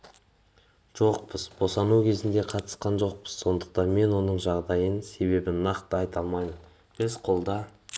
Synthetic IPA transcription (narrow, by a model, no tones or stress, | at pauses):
ʒ̥o̞q̚pəzbo̞sɑnukʲʰe̞zɪnd̪e̞qʰɑt̪ə̥sqɑnʒoq̚pəz̥so̞nd̪əq̚t̪ɑnme̞nwo̞nəɴʒɑʁd̪ɑjənse̞be̞bɪnɑqt̪əɑjt̪ɑlˠmɑjmən | b̥ɪzqʰo̞lˠd̪ɑ